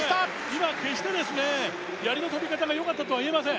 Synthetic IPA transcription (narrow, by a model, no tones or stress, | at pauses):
imakeɕi̥t̪ed̪esɯne | jaɾinot̪ʰobʲikat̪aɡajoŋat̪͈ːat̪owaie̞mas̬e